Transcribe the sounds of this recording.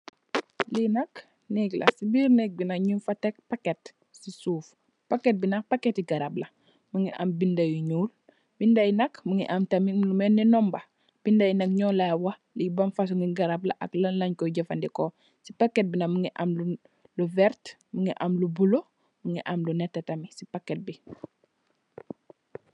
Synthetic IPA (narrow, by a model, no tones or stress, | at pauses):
linɐk | nɛɡla̰sibiːɾnɛk̚binɐkɲunfatek̚paket | sisuːf | paket̚binak̚paketiɡaɾabla | muŋiʔa̰mbindajuɲuːl | bindajinɐkmuŋiʔamtamilumɛnːinɔmba | b̥indajnɐkɲɔlawɐ | libɐnfas̬uŋiɡaɾabla̰ʔa̰klɐnlɐɲkɔɟɐfandikɔ | sipakːɛt̚binɐmuŋiʔamlu | luvɛɾt | muŋiʔamlubulo | muŋiʔamlunɛtːetɐmisipaket̚bi